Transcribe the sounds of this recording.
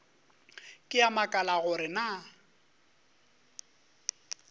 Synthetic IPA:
kʼɪamakʼalaɣʊɾɪna

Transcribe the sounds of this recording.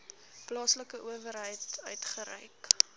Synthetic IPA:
plɑːsləkəʔuəvəɾɦəjtœ̰ɥtχəɾɛ̰jk

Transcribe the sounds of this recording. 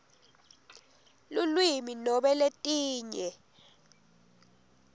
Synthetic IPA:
lulwiminɔɓɛletʼiːɲɛ

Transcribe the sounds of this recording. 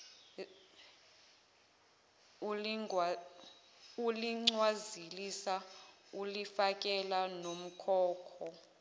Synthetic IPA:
uliŋ͡ǀwazilisa | ulifak̬ʼɛlanom̩kʰɔːkʰɔ

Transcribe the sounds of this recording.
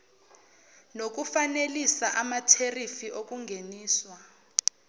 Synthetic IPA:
nok̬ufanelisaʔamatʰerifiʔok̬ʼuŋɡʱeniːswa

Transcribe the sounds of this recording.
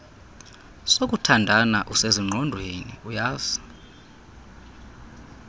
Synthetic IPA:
sok̬ʼutʰandʱanaʔuseziŋ͡ǃʱɔndʱwenḭujaːzi̥

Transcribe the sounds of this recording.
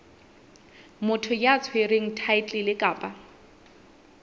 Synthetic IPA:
mʊtʰʊjat͡sʰwereŋ̩tʰaɪtʼɪlɪkʼaːpʼa

